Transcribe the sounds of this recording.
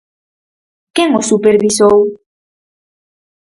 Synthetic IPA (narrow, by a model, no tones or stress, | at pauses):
keŋosupeɾβisow